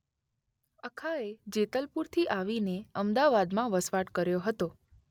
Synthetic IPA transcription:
əkʰaed͡ʒet̪əlpuɾt̪ʰiʔaʋineəmd̪aʋad̪mãʋəsʋaʈkəɾjoɦət̪o

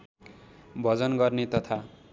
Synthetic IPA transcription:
bʱʌd͡zʌnɡʌrnet̪ʌt̪ʰa

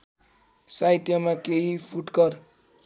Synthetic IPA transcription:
sajʈjʌmakeɦipʰuʈɡʌr

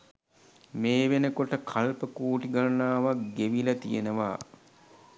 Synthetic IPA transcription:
meːʋenəkoʈəkʰalpəkuːʈiɡalnaːʋaɡeʋilɐt̪ijenəʋa̰ː

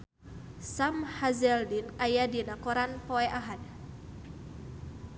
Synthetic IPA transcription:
samhazɛldinajadinakɔɾanpoɛʔaɦad̚

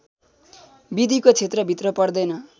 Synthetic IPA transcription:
bid̪ʱikot͡sʰet̪rʌbʱit̪rʌpʌrd̪ʌjnʌ

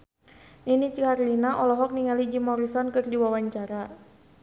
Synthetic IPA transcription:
ninit͡ʃkarlinaʔɔlɔɦɔk̚niŋalid͡ʒimɔɾisɔnkɨrdiwawaɲt͡ʃaɾa

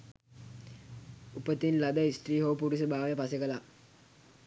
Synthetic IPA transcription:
upət̪inlad̪əisʈriːɦoʋpuɾisəbaːʋəjəpasekəla

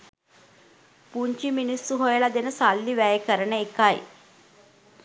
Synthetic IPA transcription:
puɲt͡ʃiminisːuɦojəlad̪enəsalːiʋæjəkəɾənəekaj

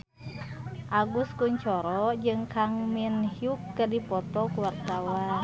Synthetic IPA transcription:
ʔaɡuskuɲt͡ʃɔɾɔd͡ʒɨŋkaŋminhiukːədipɔt̪ɔkuwart̪awan

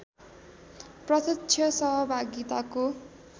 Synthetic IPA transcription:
prʌt̪ʌtːt͡ʃʰjʌsʌɦʌbʱaɡit̪ako

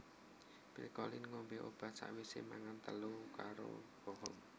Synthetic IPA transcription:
pilkɔlɪnŋɔmbeʔob̥a̤t̪̚sa̰ʔwisḛmaŋant̪əlukaɾo̰kɔɦɔm

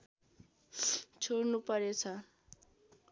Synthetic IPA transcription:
t͡sʰoɽnupʌɾet͡sʰʌ

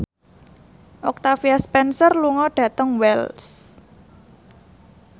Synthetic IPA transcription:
ʔɔk̚t̪afiaspɛnsərluŋɔɖ̥ä̤t̪əŋwɛls

